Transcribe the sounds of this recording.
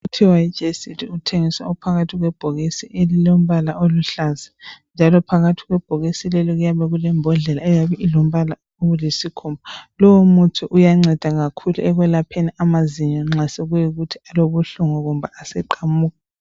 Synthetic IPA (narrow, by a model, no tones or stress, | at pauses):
utʰiwaid͡ʒʱesitʰiutʰeŋisaupʰaɣatʰiɣwɛb̥ʱoɣisiʔelilom̩βalaʔoluɬazɛnd͡ʒʱalɔpʰaɣatʰiɣwɛb̥ʱoɣisilɛlɔɣujaβɛɣulɛmbʱɔɮɛlaɛjaβɛʔilom̩βala | oɣulesikʰumbalɔwomutʰuʔujaŋ͡ǀɛd̥ʱaɣakʰuluɛɣwɛlapʰeniʔamaziɲɔŋ͡ǁasɛɣujiɣutʰialoβuɬuŋɔɣumbʱaʔasɛǃamuːɣa